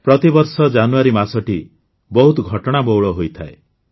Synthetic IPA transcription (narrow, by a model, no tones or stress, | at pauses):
pɾɔt̪ibɔɾsɔd͡ʒanuaɾimasɔʈi | bɔɦut̪ɔɡʱɔʈɔɽ̃abɔwɭɔɦojt̪ʰae